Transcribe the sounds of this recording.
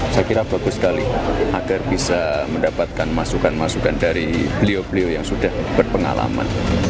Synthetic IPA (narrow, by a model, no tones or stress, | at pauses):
sakiɾab̥aɡʊskaliʔaɡarbisaməndapat̪̚kanmasukanmasukandaɾib̥əliobəleojaŋsudahb̥ərpəŋa̰la̰ma̰n